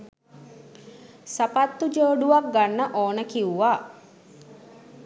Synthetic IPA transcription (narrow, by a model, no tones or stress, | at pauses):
sapat̪ːud͡ʒəːɖuʋak̚ɡanːəʔoːnəkiuʋaː